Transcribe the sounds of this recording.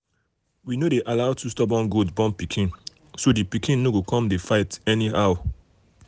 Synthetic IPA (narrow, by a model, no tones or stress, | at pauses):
winodeʔalaʊtʰustɔbɔ̃nɡodzbɔ̃npikʰĩn | sodipikʰĩnːoɡokɔ̃mdefaɪtɛnihaw